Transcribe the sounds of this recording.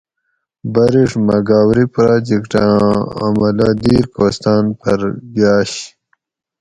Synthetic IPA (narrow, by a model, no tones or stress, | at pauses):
bɐɾiʂmɐɡaːwɾipɾaːd͡ʑikʈa̰mɐlad̪iːɾkoːst̪aːnpɐɾɡaːɕ